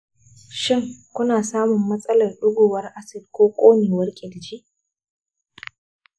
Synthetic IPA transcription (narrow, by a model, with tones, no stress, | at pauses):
ʃɪ˦˨ŋkʷʊ˦naː˨saː˦mʊ˨mːɐ˦sʼɐ˦lɐ˨rɗʊ˦ɡʷoː˨wɐ˦rʔa˦sɪ˨dkʷoː˦kʷʼoː˦neː˨wɐ˦rkʲʼɪ˨ld͡ʒi˦ʔ